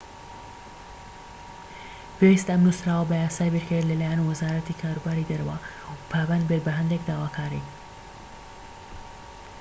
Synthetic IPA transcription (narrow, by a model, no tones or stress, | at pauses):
pʰewist̪ɐmnusɾaːwəbɐjaːsaːjbeɾkʰəɾlɐlaːjanwɐzaːɾɐt̪ikʰaːɾuːbaːɾid̪ɐɾɐwɐ | pʰaːbɐnd̪bet̪̚bɐɦɐnd̪ekd̪aːwaːkʰaːɾḭ